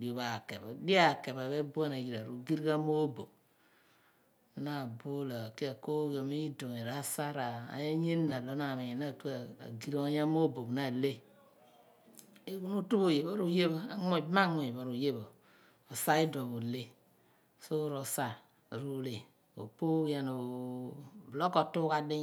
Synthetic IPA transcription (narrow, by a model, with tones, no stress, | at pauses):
di˨o˨βa˨ke˨ba˨di˦a˦˨ke˨ba˨βe˦bu˦a˦na˨ɡi˨ɾa˨ɾu˨ɡi˦ɾka˦mo˦bo̰˨k̚ | na˦˨bo˦la˨ki˦a˨ko˦ɡo˨mi˦i˦do˨ŋe˨ɾa˨˦sa˦ɾa˨a̰˨je˦ɲe˦nːa˨lo˨˦na˨me˨na˦˨tu˦a̰˨ɡi˨ɾo˦ɲa˦mo˦bo˨kna˦˨le˦ | e˦ku˦nu˦tu˦bo˨je˨ba˦ɾu˦je˦ba˦ŋ˦o˦˨˦ma˦ŋo˨je˨ba˨ɾu˨je˦bo˨ | o˨sa˦i˦do˨βo˨le˦ | so˦ɾo˨sa˦˨ | ɾu˦le˨ | o̰˨po˦ja˨no˨ | blo˦ko˨tu˦ka˦di˦